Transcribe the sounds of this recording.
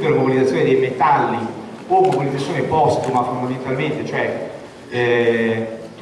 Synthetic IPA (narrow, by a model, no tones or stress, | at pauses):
kelamobilid̪at̪sːjoːned̪ejmet̪alːi | pɔmobilid̪zat̪sːjoːnepɔst̪umafond̪ament̪alment̪et͡ʃoɛ